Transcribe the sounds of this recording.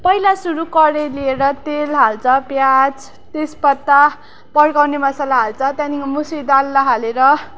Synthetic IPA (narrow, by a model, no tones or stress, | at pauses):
pʌilasuɾukʌɾelieɾʌt̪elɦalt͡sʰʌpjat͡s | t̪espʌt̪ːa | pʌɽkawnemʌsalaɦalt͡sʰʌt̪jãnikomusid̪alːaɦaleɾʌ